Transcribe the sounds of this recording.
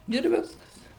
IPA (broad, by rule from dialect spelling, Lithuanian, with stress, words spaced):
ɪr ˈʋʲɪskɐs